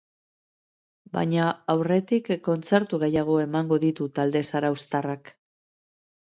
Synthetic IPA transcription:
ba̰ɲaawre̞t̪ikːo̞nt͡se̞ɾt̪uɣe̞jaɣ̞o̞e̞maŋɡo̞ðit̪ut̪ald̪e̞saɾawst̪arak

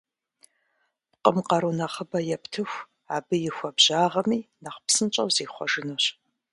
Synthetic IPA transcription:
pqʼəmqɐɾunɐχəbɐjɛptʰɨxʷ | aːbɨjɪxʷɔbʑaːʁɐmiːnɐχpsɨnt͡ʃʼɐ̰wzeːχʷɔ̰ʒɨnoɕ

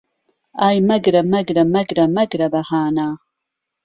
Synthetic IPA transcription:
aːjmɐɡɾɐmɐɡɾɐmɐɡɾɐmɐɡɾɐbɐhaːnaː

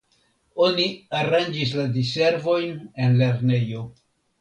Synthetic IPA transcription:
o̞niaɾand͡ʒis̬ladise̞ɾvo̞jne̞nle̞ɾne̞jo̞

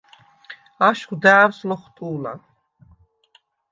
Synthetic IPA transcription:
aʃχd̪æːwslɔχt̪ʼuːla̰

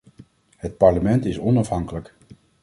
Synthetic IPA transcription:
ɦət̚pɑɹləmɛntɪsɔnɑfɦɑŋkələk

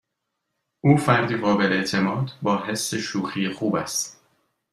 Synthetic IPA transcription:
ʔuːfæɾd̪iːɣɒːbe̞leeʔt̪ʰe̞mɒːd̪bɒːɦe̞sːe̞ʃuːxiːjexuːbæ̰st̪

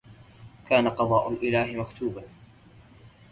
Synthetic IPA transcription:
kaːnaqɑðˤɑːʔʊlʔɪlaːhɪmakt̪uːba

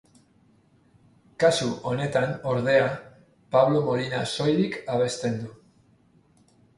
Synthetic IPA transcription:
kasuo̞ne̞t̪ano̞ɾð̞e̞a | paβlo̞mo̞linaso̞jðikaβ̞e̞st̪e̞nd̪u

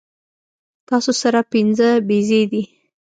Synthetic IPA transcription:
t̪ɑsosaɾapinzəbezed̪i

